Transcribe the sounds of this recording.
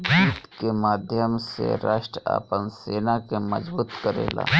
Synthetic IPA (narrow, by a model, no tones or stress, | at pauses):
d͡ʒiːt̪kemaːd̪ʱjəmsḛɾaːʃʈɾa̰ːpənseːnakemɐd͡ʒbuːt̪kəɾḛːla̰ː